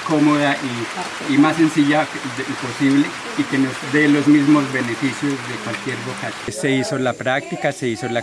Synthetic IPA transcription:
ko̞mo̞ðaʔi | imasːe̞nsiʝa | po̞siβle | ike̞nozd̪e̞lo̞zmizmo̞zβene̞fisjo̞zðe̞kwalkje̞ɾβokat̪se̞iso̞lapɾak̚t̪ikase̞iso̞la

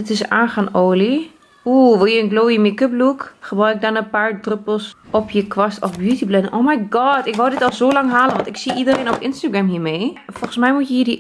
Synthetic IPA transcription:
ɪtɪsa̰ːnxaːnoːli | uːʋɪlˠjəənɡloːimikəblukxəbœɥɪk̚dɔnəpaːɹdrøpəl̩ˠsɔpjəkʋɔstɔfbjutiblɛdəʔoːmajɡɔtɪkʋɔwˠdɪtɔlˠzoːlaŋɦaːlˠənʋɔntɪksiʔidəreːnɔpɪnstaɡrɛmɦiːmeːfɔlˠɣənsmɛjmutjəɦiːdi

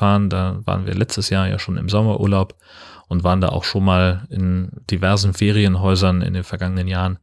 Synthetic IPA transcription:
aːʁəndaːva̰ːʁənviːɐlɛt͡stəsjaːɐja̰ːʃoːnɪ̰mzɔmɐʔuːɐlaʊp | ʔʊntvaːʁənda̰ːʔa̰ʊxʃoːnmaːlɪnd̥ivɛɐzn̩feːʁiənɦɔʏzɐnɪ̰ndeːnfɛɐɡaŋənənjaːʁən

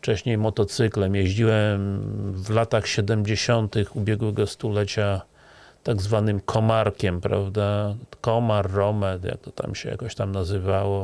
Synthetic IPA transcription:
ft͡ʂɛɕɲejmɔt̪ɔt̪sɘklɛmjɛʑd͡ʑiwɛmvlat̪axɕɛd̪ɛmd͡ʑeɕɔnt̪ɘxubʲjɛɡwɛɡɔst̪ulɛt͡ɕa | t̪aɡzvanɘmkʰɔmaɾkʲɛmpɾa̰vd̪akɔmaɾːɔmɛt̪ja̰k̚t̪ɔ̥t̪a̰mɕɛ̰ja̰kɔɕt̪amnazɘvawɔ

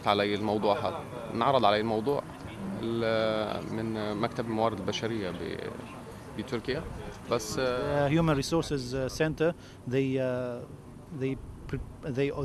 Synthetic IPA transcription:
t̪ʕalæjːælmɑwd̪ˤuːʕɦɑ̰ | nʕɑɾˤːɑd̪ˤʕalæjelmɑwd̪ˤuːʕ | ḛl | mɪnmækt̪æblmawæːɾɪd̪elbæʃæɾɪjːab̰ | bit̪oɾkɪjæbæsːhjuːmãnɾiːsoːɾsɪzsɛ̃nt̪ə | ðej | ðejpðej

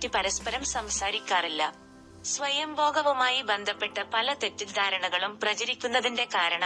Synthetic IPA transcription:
ipɐɾɐspɐɾɐmsɐmsaːɾikʲːaːrilːɐ | sʋɐjɐmbʱo̞ːɡɐʋumaːjibe̞nd̪ʱɐpːe̞ʈːɐpɐlɐt̪e̞tːid̪ʱaːɾɐɳɐɣɐɭumprɐt͡ɕɐɾikʲːunːɐðinde̞kaːɾɐɳɐ

